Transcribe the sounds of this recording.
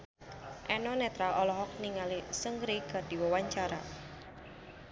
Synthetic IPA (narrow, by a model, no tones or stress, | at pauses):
ʔɛnɔnɛt̪ɾaɔlɔɦɔk̚niŋalisəŋɡɾiɡ̥ad̥i̤wɔwaɲt͡ʃaɾa̰